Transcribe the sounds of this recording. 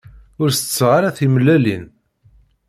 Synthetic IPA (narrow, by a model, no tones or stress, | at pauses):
ʊɾst͡sːʁaɾæθiməlːælin